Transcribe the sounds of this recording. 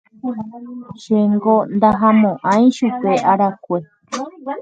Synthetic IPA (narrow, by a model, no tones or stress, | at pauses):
ʃeŋɡond̪aɦamõʔãĩʃupeʔaɾakʷe